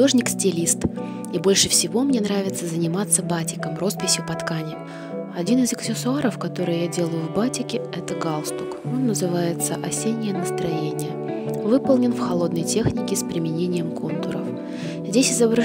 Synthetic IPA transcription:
ʊo̞ʐnʲɪksʲtʲɪlʲist̪ | ibo̞lʲʂɨfsʲɪvo̞mnʲe̞nɾavʲɪt̪səzənʲɪmat̪sːəbatʲɪ̥kəmro̞spʲɪsʲjʊpɐt̪kanʲɪ | ɐdʲinɨzəksʲɪsʊaɾəfkɐt̪o̞ɾɨjjadʲe̞lˠəjʊvbatʲɪkʲɪ | ɛt̪əɡalˠst̪ʊko̞nːəzɨvajɪt̪səʔɐsʲenʲːɪjənəst̪ɾɐjenʲɪjəvɨpəlˠnʲɪnfxɐlˠo̞d̪nəjtʲe̞xnʲɪkʲɪspɾʲɪmʲɪnʲenʲɪjəmko̞nt̪ʊɾəf | zʲdʲesʲɪzəbɾɐ

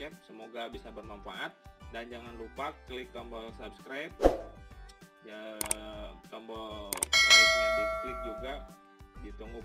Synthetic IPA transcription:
ɛp̚səmoɡabisabərnanfaʔat̪̚dand͡ʒaŋanlupakːlɪk̚t̪ambəlsapskɾajp̚ | d͡ʒa | t̪ambəl | sasklɪt̚d͡ʒuɡa | dit̪əŋɡʊ

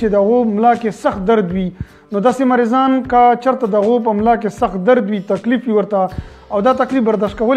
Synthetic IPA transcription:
t͡ʃed̪əaɣomlɑkesaxt̪̚d̪aɾd̪wi | nod̪ɑsemaɾɪzɑnkət͡ʃəɾt̪ad̪əaɣop̬əmlɑk̬esaxt̪̚d̪aɾd̪wit̪aklifwiwəɾt̪a | awd̪ɑt̪aklifbaɾd̪ɑʃt̪̚kawəl

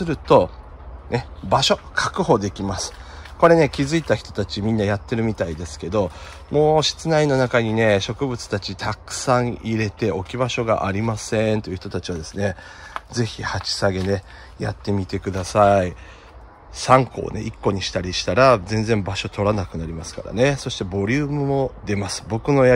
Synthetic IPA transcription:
sɨɾɯ̟t̪o̞ | ne̞baɕo̞kʰakɯ̟ho̞d̪e̞kʲimasɨ̥ | ko̞ɾe̞ne̞kʲizɨit̪açʲi̥t̪o̞̥t̪at͡ɕimʲĩnːajat̪ːe̞ɾɯ̟mʲit̪aid̪e̞sɨ̥ke̞d̪o̞ | mo̞ːɕi̥t͡sɨnaino̞nakaɲ̟ine̞ɕo̞kɯ̟bɯ̟t͡sɨ̥t̪at͡ɕit̪ʰakɯ̥sãɰ̃iɾe̞t̪e̞o̞kʲibaɕo̞ɡa̰ʔaɾʲimasẽ̞nt̪o̞iɯ̟çi̥t̪o̞t̪at͡ɕiβad̪e̞sɨne̞ | d͡ze̞çʲihat͡ɕi̥saɡe̞ne̞ | jat̪ːe̞mʲit̪e̞kɯ̟d̪asai | sãŋko̞̰ːne̞̰ʔikːo̞ɲ̟iɕi̥t̪aɾʲiɕi̥t̪aɾazẽ̞nd͡zẽ̞mbaɕo̞t̪o̞ɾanakɯ̟naɾʲimasɨ̥ka̰ɾa̰ne̞so̞ɕi̥t̪e̞bo̞ɾʲɯːmɯ̟mo̞d̪e̞masɨ̥bo̞kɯ̟no̞

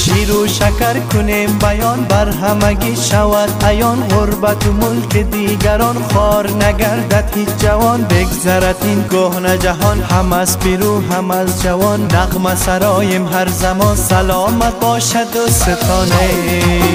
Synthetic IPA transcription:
ʃiɾuʃakaɾkʰʊnembajɔnbaɾɦamaɡiʃavad̪ajɔnʁʊɾbat̪ʊmʊlked̪iɡaɾɔnχɔɾnaɡaɾd̪at̪hit͡ʃd͡ʒavɔnbeɡzaɾat̪inɡohnad͡ʒaɦɔnhamazbiɾuɦamazd͡ʒavɔnːaʁmasaɾɔjemɦaɾzamɔnsalɔːmat̪̚bɔːʃad̪oset̪ʰɔːna

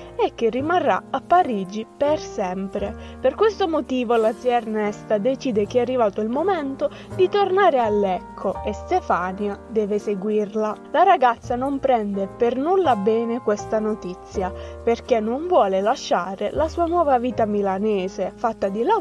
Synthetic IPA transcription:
ɛk̟ːerːimarːa̰apːaɾiːd͡ʒipersɛmpɾeperkwest̪omot̪iːvolad̪zjɛrnɛst̪ad̪et͡ʃiːd̪ek̟eɛarːivaːt̪oilmomɛnt̪o | d̪it̪ornaːɾealːɛkʰːoest̪efaːnjad̪ɛːveseɡwirlalaɾaɡat̪sːanompɾɛnd̪epernulːabɛːnekwest̪anot̪it̪sːjaperkenːoɱvwɔːlelaʃːaːɾelasuːanwɔːvaviːt̪amilanɛːzefat̪ːad̪ila

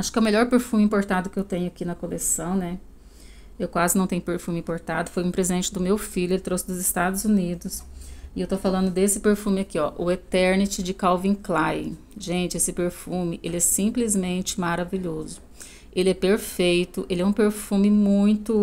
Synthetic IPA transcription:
aʃʊ̥kɪɛʊmeʎɔɾpeɾfũmɪĩmpoɾt̪ad̪ʊkɪewt̪ẽɲʊakinɐkolesɐ̃w̃nɛ | ewkwazɪnɐ̃w̃t̪ẽɲʊpeɾfũmɪĩpoɾt̪ad̪ʊfojũpɾezid̪ẽnt͡ʃɪd̪ʊmewfiʎʊelɪt̪ɾosɪd̪ʊzɪst̪ad̪ʊzunid̪ʊsɪewt̪ofalɐ̃nd̪ʊd̪esɪpeɾfũmɪakiɔʔʊet̪ɛɾnit͡ʃɪd͡ʒɪkawvĩklaj | ʒẽnt͡ʃɪesɪpeɾfũmɪʔelɪɛsĩplizmẽnt͡ʃɪ̥maɾaviʎozʊ | elɪɛpeɾfejt̪ʊʔelɪɛũpeɾfũmɪmũj̃t̪ʊ

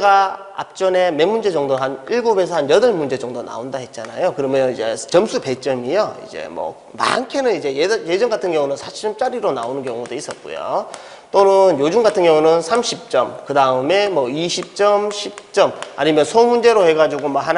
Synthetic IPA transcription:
ɡa | a̰p̚t͡ɕ͈ʌne̞me̞mːund͡ʑe̞d͡ʑʌŋdoɦaniɭɡobes̬ʰʌhanjʌdʌɭmund͡ʑe̞d͡ʑʌŋdona̰ondahe̞t̚t͡ɕ͈ana̰jokɯɾʌmʌid͡ʑe̞t͡ɕʌmsʰupe̞t͡ɕ͈ʌmijoḭd͡ʑe̞̰mʌ̰ | ma̰nkʰenɯnid͡ʑe̞jjed͡ʑʌŋɡatʰɯnɡjʌŋunɯnsʰaɕʰiɾɯmt͡ɕ͈aɾiɾona̰onɯnkjʌŋudois͈ʌt̚k͈o̰jo̰ | t͈onɯnjod͡ʑuŋɡatʰɯnɡjʌŋunɯnsʰamɕʰip̚t͡ɕ͈ʌmkɯdaɯme̞mʌiɕʰip̚t͡ɕ͈ʌmɕʰip̚t͡ɕ͈ʌma̰ɲimjʌnsʰomund͡ʑe̞ɾoheɡad͡ʑiɡomaɦan

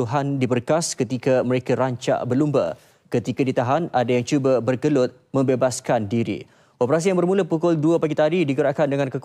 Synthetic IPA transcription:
uɦandibərkaskət̪ikamə̃ɾekaɾaɲt͡ʃa̰ʔbərlumba̰ | kət̪ikadit̪aɦanadajaŋt͡ʃubabərɡəlʊt̪̚ | mə̃mbebaskandiɾḭ | opəɾas̬ijaŋbərmũləpukʊlduapaɡit̪adidikəɾaʔkandəŋãnkək

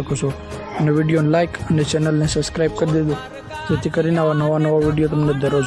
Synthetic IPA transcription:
əkot͡ʃʰo | əneʋiɖijonlajkənet͡ʃɛnəlnesəbskɾaib̚kəɾd̪ed̪o | d͡ʒet̪ʰikəɾineaʋanəʋanəʋaʋiɽijot̪̬əmned̪ʱəɾod͡ʒ

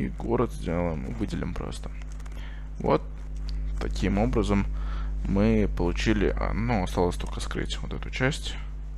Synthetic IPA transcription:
iɡo̞ɾəd̪zʲdʲelˠəjɪmɨ̰vɨdʲɪlʲɪmpɾo̰st̪ə̥ | vo̞̰t̪ː | ɐkʲʰimo̞bɾəzəmː | ɨpəlˠʊt͡ɕilʲɪ̰ʔɐ̰d̪noɐst̪alˠəsʲt̪olʲkəskɾɨ̰tʲvot̪ɛt̪ʊ̥t͡ɕæsʲtʲ

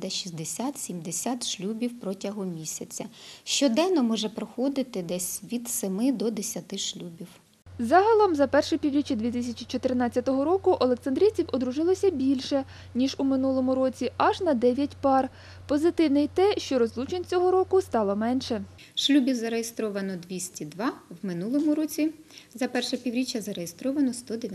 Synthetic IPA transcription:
d̪ɐʃʲizʲd̪esʲat̪sʲimd̪esʲat̪ʃlʲubʲiwpɾɔtʲɐɦɔmʲisʲɐt͡sʲɐʃt͡ʃɔd̪ɛnɔmɔʒɛpɾɔxɔd̪ɪt̪ɪd̪ɛsʲʋʲid̪semɪd̪ɔd̪esʲɐt̪ɪʃlʲubʲiw | zɑɦɐlˠɔmzɐpɛrʃɪpʲiwɾʲit͡ʃɐd̪ʋʲit̪̬ɪsʲɐt͡ʃit͡ʃɔt̪ɪrnɑt͡sʲːɐt̪ɔɦɔɾɔkʊʔɔlˠeksɐnd̪ɾʲijt͡sʲiwɔd̪ɾʊʒɪlˠɔsʲɐbʲilʲʃɛ | nʲiʒumɪnulˠɔmʊɾɔt͡sʲiʔɐʒnɐd̪ɛʋʲjɐtʲpɑr | pɔzɪt̪ɪwnɪjt̪ɛʃt͡ʃɔɾɔzlˠut͡ʃenʲt͡sʲɔɦɔɾɔkʊst̪ɑlˠɔmɛnʃɛ | ʃlʲubʲiwzɐɾejest̪ɾɔʋɐnɔd̪ʲʋʲisʲtʲid̪ʋɑwmɪnulˠɔmʊɾɔt͡sʲizɐpɛrʃɛpʲiʋwɾʲit͡ʃʲːɐzɐɾejest̪ɾɔʋɐnɔst̪ɔd̪e

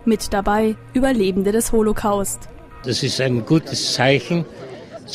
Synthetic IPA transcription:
mɪtd̥abaɪʔyːbɐleːbn̩dədɛsholokʰaʊst | d̥asɪstaɪnɡ̥uːtʰəst͡saɪçn̩

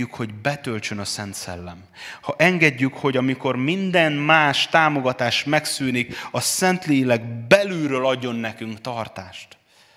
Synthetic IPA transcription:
ykho̞ɟbɛt̪ø̞lt͡ʃønɒsɛnt̪sɛ̰lːɛm | hɒʔɛŋɡɛɟːykho̞ɟɒmiko̞rmind̪ɛnmaːʃt̪aːmo̞ɡɒt̪aːʃmɛksyːnikɒsɛnt̪leːilɛɡbɛlyɾøːlɒɟːo̞nːɛkyŋkt̪ɒrt̪aːʃt̪

